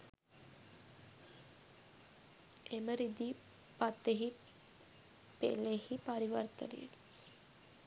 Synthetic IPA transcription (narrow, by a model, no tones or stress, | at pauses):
eməɾid̪i | pɐt̪ːeɦi | pḛlehipɐɾiʋɐrt̪ə̰lḭḛli